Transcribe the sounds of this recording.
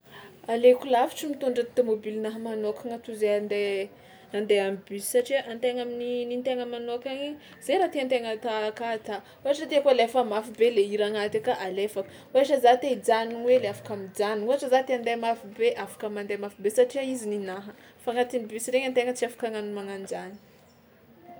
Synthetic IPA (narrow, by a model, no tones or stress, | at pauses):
alekulafiʈ͡ʂimit̪uɳɖ͡ʐat̪omobilinaɦəmanokaŋat̪uzeand̪e | and̪eamibysi̥saʈ͡ʂiaʔant̪eŋamininint̪eŋəmanokaɲi | z̥eɾat̪eant̪eŋət̪akat̪a | uɦaʈ͡ʂəd̪iakolefəmafibeleiɾaŋat̪akaʔalefakə̥ | uɦaʈ͡ʂəzat̪eid͡zaniŋweleafḁkamid͡ʒaniuɦaʈ͡ʂəzat̪eand̪emafibeʔafḁkəmand̪emafibesaʈ͡ʂiaizininaɦə | faŋat̪inibysiɾeɲant̪eŋət͡siafḁkaŋanmaŋand͡ʒani̥